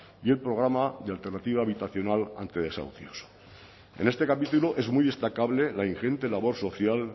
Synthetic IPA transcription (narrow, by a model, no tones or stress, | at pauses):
ie̞lpɾo̞ɣ̞ɾamaðealt̪ernat̪iβ̞aːβ̞it̪aθjo̞nala̰nt̪eðe̞sa̰wθjos | ḛne̞st̪e̞kapit̪uloʔe̞zmujðe̞st̪akaβle̞lainxe̞nt̪e̞laβ̞o̞ɾso̞θjal